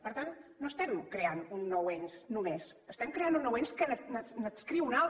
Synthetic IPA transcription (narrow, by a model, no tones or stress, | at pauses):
pəɾt̪anːoəst̪ɛmkɾeanunːɔwɛɲsnumesəst̪ɛmkɾeanunːɔwɛnskənənənəskɾiwna